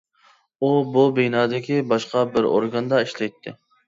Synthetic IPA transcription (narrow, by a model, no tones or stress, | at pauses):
ububejnɑːd̪ɪkʲʰibɑʃqɑbɪɾo̰ɾɡɑnd̪ɑiʃlɛjt̪ʰːɪ̰